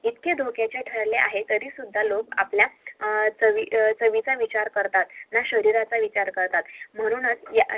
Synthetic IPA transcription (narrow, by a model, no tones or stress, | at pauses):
it̪ked̪ʱokjat͡ɕjaʈʰəɭleʔa̰ɦet̪əɾiːsud̪ʱːalokapljat͡səʋit͡səʋit͡saʋit͡ɕaɾkəɾt̪at̪naɕəɾiɾat͡saʋit͡ɕaɾkəɾt̪at̪m̤əɽ̃uːnət͡sja